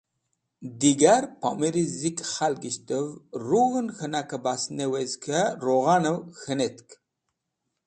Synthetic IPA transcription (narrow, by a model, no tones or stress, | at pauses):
d̪iɡaɾpa̰miɾizikχalɡiɕt̪əvɾuɣənxənakəbasnewezkʰəɾoɣanəwxənet̪k